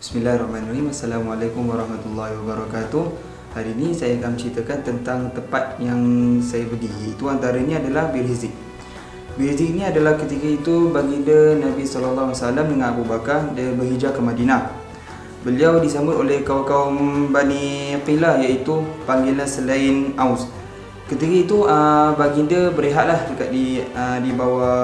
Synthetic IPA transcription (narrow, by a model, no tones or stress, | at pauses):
bismilahrɔhmaniraɦimasːalamualakumwaɾˤɑhmat̪ulːɑɦiwabaɾakat̪u | haɾiːnisajakanmət͡ʃɾit̪akant̪ənt̪aŋt̪əpat̪̚jaŋsajabədijait̪uant̪aɾaɲaadalahbirhizɪk̚ | biɾizɪk̚niadalahkət̪ikait̪ubaɡidənabisɔləlːaɦsalamdəŋanabubakadəbəɦid͡ʒakəmadina | bəliawdisambʊt̪olɛhkawakaumbanipilajait̪upaŋɡilansəlainaws | kət̪ikəit̪uəbaɡindəbəɾeɦaʔ̪̚lahdəkaʔ̪̚diədibawa